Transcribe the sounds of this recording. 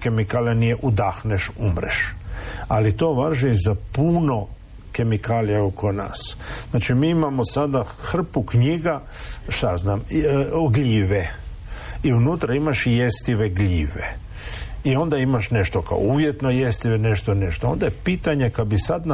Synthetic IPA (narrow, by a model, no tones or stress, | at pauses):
ke̞mikaːlanijeʔud̪axneʃumɾḛʃ | alit̪o̞ːʋaʒizapuno̞ | ke̞mikaːlijaokona̰ːsznaːt͡ʃimiːimamosad̪a | xr̩pukɲiɡa | ʃt̪aznaːmɡʎiːʋe | iunut̪ɾaimaʃjest̪iʋeɡliːʋḛ | io̞nd̪aimaʃne̞ʃt̪oka̰ouʋjet̪nojest̪iʋene̞ʃt̪one̞ʃt̪oo̞̰nd̪ajepiːt̪aɲekad̪bisad̪n